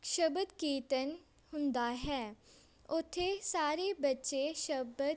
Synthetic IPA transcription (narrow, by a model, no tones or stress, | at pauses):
ʃəbəd̪kiːt̪ən | hʊ̃nd̪aɦɛː | ʊt̪ʰːesaːɾebətːʃeʃəbə